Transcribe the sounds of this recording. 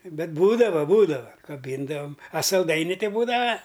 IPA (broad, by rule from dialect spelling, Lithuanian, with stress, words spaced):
ˈbʲɛt ˈbuːdɐʋoː ˈbuːdɐʋɐ kɐˈbʲiːndɐʋɐm ɐ sɐlˠˈdɐɪnʲɪ ˈtʲɪ ˈbuːdɐʋɐ